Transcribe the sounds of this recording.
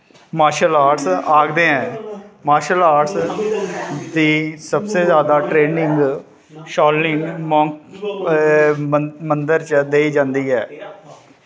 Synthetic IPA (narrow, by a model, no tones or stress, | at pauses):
maːʃəlaːʈsaːɡd̪ẽːɛ̃ːmaːʃəlaːʈs | d̪iːsəbseːzjaːd̪aːʈɾeːnɪŋɡ | ʃɔːlnɪŋmɔ̃ːŋk | mənd̪əɾt͡ʃd̪eːiːd͡ʒãːnd̪iːɦɛː